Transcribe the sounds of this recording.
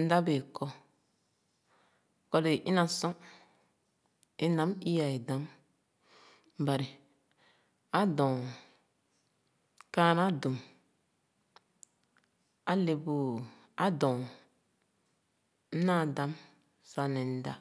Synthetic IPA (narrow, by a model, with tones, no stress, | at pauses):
n̩˦da˦be˨kʰɔ˦ | kɔ˦le˨ʔi˦nã˨sɔ̃˦ | e˦nã˨˦mi˦ja˨e˨dã˦m | ba˨ɾi˨ | a˦dɔ̃˨ | ka˦na˦du˨m | a˦le˨bu˨ | a˦dɔ̃˨˦ | na˦˨dã˨˦m | sa˦nɛ˨n̩˦da̰˦